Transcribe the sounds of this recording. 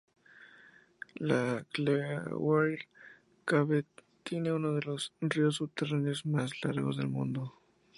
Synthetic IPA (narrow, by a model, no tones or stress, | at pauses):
laklewaɾ | kaβet̪je̞neunoðelosrios̬ːuβ̚t̪eraneozmaslaɾɣo̰zðelmṵ̃nd̪o